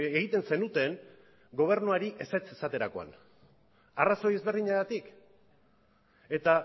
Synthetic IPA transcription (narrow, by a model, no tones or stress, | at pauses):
eɣit̪e̞nse̞nut̪e̞ŋ | ɡo̞β̞e̞ɾnuaɾiʔe̞set͡se̞sat̪e̞ɾako̞a̰n | araso̞je̞zβe̞rðiɲaɣat̪ik | e̞t̪a